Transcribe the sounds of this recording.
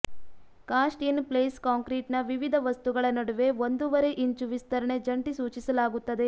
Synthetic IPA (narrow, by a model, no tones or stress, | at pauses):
kaːsʈijɐnpleːskaːŋkɾiːʈnɐʋiʋid̪ʱɐʋɐst̪uɡɐɭɐnɐɽuʋe̞ond̪uʋɐɾe̞ʔiɲt͡ʃuʋist̪ɐɾɐɳe̞d͡ʒɐɳʈisuːt͡ʃisɐlaːɡut̪ːɐd̪e̞